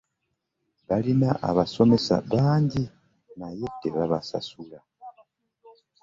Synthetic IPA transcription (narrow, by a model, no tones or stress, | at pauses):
βalinaʔa̰βaso̞me̞sa̰βaːɲɟi | najeteβaβasa̰sula